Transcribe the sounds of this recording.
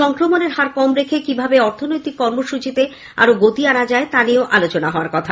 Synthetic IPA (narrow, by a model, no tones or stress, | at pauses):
ɔŋkɾomoneɾhaɾkɔmɾekʰekibʱabeɔɾt̪ʰonojt̪ikːɔɾmoʃut͡ɕit̪e | a̰ɾoɡot̪ianad͡ʑaet̪anioʔalot͡ɕonaɦɔoaɾkɔt̪ʰa